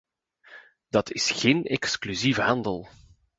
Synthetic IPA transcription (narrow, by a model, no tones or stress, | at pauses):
d̥ɑtʰɪsxeːnɛksklyzivəɦɑndəlˠ